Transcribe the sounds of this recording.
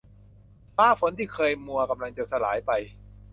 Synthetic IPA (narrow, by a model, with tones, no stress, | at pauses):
faː˦˥˩fo˨˦nt̪ʰiː˥˩kʰɤː˧jmu˧ɐka˧mla˧ŋt͡ɕa˨sa˧laː˩˦jpa˧j